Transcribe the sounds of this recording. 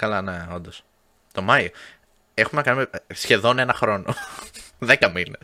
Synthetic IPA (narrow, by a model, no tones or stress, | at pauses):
kɐlɐne̞o̞nd̪os | t̪o̞mɐio | e̞xumenɐkɐnumesçe̞ðo̞ne̞nɐxɾo̞noðekɐmines